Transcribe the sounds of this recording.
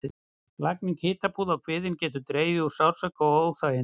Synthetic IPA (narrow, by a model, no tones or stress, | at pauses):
lakniŋkhɪːt̪apuːðawkʰvɪːðɪncɛːt̪ʏt̪ɾeːjvɪusaw̥sœkaoːwθaːjɪ